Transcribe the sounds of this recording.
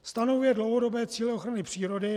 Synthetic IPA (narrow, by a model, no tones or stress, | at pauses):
st̪anovujɛdlowɦodo̞bɛːt͡siːlɪoxɾanɪpr̝̥iːɾo̞dɪ